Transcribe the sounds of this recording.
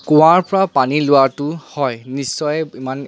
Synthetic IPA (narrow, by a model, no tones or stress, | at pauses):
kɔ̃waɹpɔɹapanilʊatʊhɔjnisːɔjɛiman